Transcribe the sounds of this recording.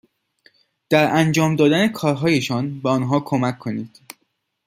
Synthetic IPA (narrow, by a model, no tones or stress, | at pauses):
d̪̥æɾænd͡ʒɒːmd̪ɒːd̪æne̞kʰɒːɾɦɒːje̞ʃɒnbeɒnɦɒːkʰo̞mækʰːo̞niːd̪̥